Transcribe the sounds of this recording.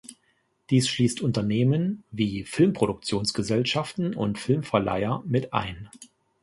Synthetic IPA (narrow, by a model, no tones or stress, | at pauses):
d̥iːsʃliːstʰʔʊntɐneːmənviːfɪlmpʁ̥oɾʊk̚t͡sjoːnsɡ̥əzɛlʃaftn̩ʊ̰ntfɪlmfɛɐla̰ɪɐmɪtʔa̰ɪn